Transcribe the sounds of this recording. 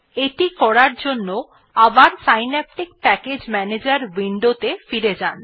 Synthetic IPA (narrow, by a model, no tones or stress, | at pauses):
eʈikɔɾaɾd͡ʑonːo | abaɾsajnɛp̚ʈik̚pɛked͡ʑmɛned͡ʑaɾwiɳɖot̪efiɾed͡ʑan